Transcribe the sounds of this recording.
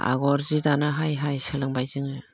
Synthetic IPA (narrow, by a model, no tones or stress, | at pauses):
a̰ɡɔɾzidanɯɦajɦajsɯlɯŋbajzɯŋɯ